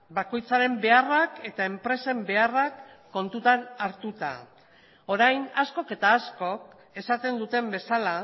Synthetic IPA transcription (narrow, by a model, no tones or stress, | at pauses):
bako̞jt͡saɾe̞mbe̞arake̞t̪ae̞mpɾe̞se̞mbe̞arakː | o̞nt̪ut̪anaɾt̪ut̪a̰ | o̞ɾajnasko̞ke̞t̪aːsko̞k̚ | e̞sat̪e̞nd̪ut̪e̞mbe̞sala